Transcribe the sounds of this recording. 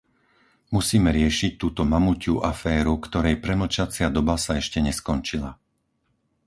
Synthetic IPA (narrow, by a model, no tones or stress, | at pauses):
musiːmɛɾɪɛʃic̚t̪uːt̪ɔmamucṵʔafɛːɾukt̪ɔɾɛjpɾɛml̩t͡ʃat͡sɪad̪ɔbasaɛʃcɛɲɛskɔnt͡ʃila